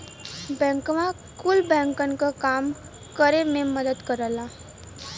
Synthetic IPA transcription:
bɛ̃ːŋkmã | kʊlbɛ̃ːŋkənkakaːm | kəɾemẽməd̪əd̪kəɾəlaː

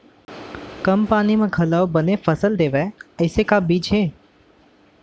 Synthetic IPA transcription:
kəmpaːnimẽɡʱələobənefəsəld̪eːʋeəɪsekabiːd͡ʒɦeː

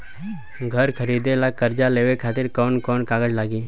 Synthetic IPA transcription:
ɡʱəɾkʰəɾiːd̪elakəɾd͡ʒaleːʋekʰaːt̪ɪɾkɔːnkɔːnkaːɡəd͡ʒlaːɡiː

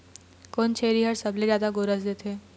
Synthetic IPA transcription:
kont͡ɕʰeɾiːɦəɾsəbled͡ʑad̪aɡoɾəsd̪et̪ʰe

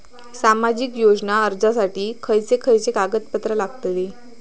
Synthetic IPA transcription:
samad͡ʑikjod͡znaəɾd͡zasaʈiːkʰəjt͡sekʰəjt͡sekaɡət̪̚pət̪ɾəlaɡt̪le

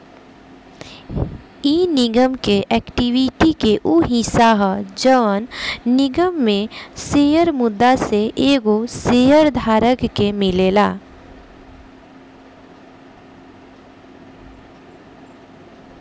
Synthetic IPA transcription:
iːnɪɡəmkeʔɛːkʈiwiʈikeʔuɦĩsaɦd͡ʒəʋənnɪɡəmːẽseːjəɾmʊd̪ːaseʔeːɡoseːjəɾd̪ʱaːɾəkkemɪleːlaː

